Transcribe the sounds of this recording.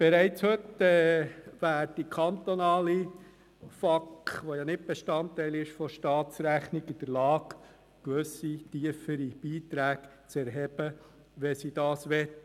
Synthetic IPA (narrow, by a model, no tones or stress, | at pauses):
b̥ɛɾæɪt͡shɵtɛːʋæːɾd̥ikʰɑnt̪onɑːli | fɑkχʋojɑnɪt̚b̥eʃtɑnt̪ːæɪlɪʃfɔʃtɑːt̪t͡sɾæχnɪɡɪd̪̥əɾlɑːɡ | kʋɵsit̪iəfəɾib̥iːt̪ɾæːk | t͡sɛɾɦɛb̥ə | ʋɛsid̥ɑːsʋɛt̪ː